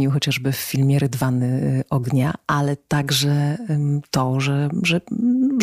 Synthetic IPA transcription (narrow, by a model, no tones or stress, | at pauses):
iwxɔt͡ɕaʐbɘfːʲilmʲjɛɾɨd̪vanɘʔɔɡɲaʔalɛt̪aɡʐɛt̪ɔʐɛʐɛ